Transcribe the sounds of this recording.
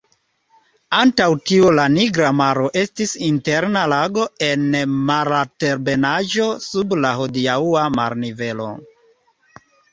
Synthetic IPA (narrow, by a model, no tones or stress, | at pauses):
antawtiulaniɡɾamaɾo̞ʔe̞stisinte̞ɾnalaɡo̞e̞nmaɾate̞ɾbe̞naʒo̞sublahodiauama̰ɾnive̞lo̞̰